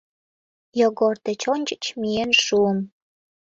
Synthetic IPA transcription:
joɣort̪ĕt͡ɕonʲt͡ɕə̥t͡ɕmienʃuəm

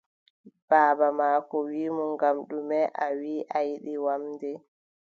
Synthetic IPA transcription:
b̥aːbamaːkɔwiːmɔŋɡamɗumɛʔawiːʔajɗiwamdɛ

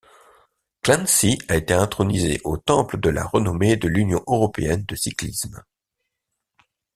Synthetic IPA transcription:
klɛ̃nsiaet̪eɛ̃t̪χɔnizḛʔot̪ɑ̃pləd̪əla̰ʁənɔmed̪əlynjɔ̃ʔøʁɔpeɛnd̪əsiklism

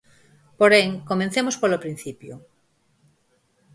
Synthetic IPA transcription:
poɾeŋkomẽnθemospolopɾin̟θipjo

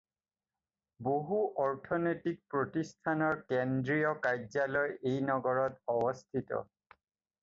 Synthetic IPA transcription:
boɦuʔɔɹtʰɔnojtik̚pɹotistʰanɔɹkendɹijɔkajzalɔjejnɔɡɔɹɔtɔbɔstʰitɔ̰

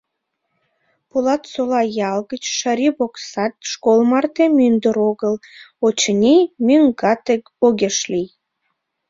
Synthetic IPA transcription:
polɑt̪solɑjɑlɣət͡ɕʃɑɾʲiboksɑt̪̚ʃkolˠmɑrt̪emynd̪əɾoɣəlot͡ɕənʲimyŋɡɑt̪ek | oɣʲeʃlij

